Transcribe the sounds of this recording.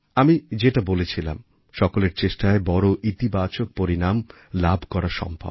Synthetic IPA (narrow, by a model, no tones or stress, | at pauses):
amid͡ʑeʈabolet͡ɕʰila̰m | ʃɔkoleɾt͡ɕeʃʈaebɔɾoʔit̪ibat͡ɕok̚poɾinam | labʱkɔɾaʃɔ̰mbʱa̰b